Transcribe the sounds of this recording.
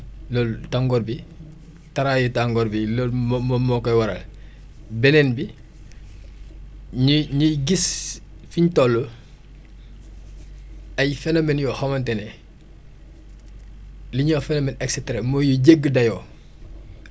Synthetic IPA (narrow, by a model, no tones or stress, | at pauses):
lɔltaŋɡɔɾbi | taɾajutaŋɡɔɾbilɔlmmɔmɔkɔjwɐɾɐ̰l | bɛnɛnbi | ɲuɲuɡis | fiɲtɔlːɔ | ɐjfɛnomɛnjɔːhɔmɐntɛnɛ | liɲɔːfɛnomɛnɛksɛtɾamɔjuɟeɡːədɐjɔː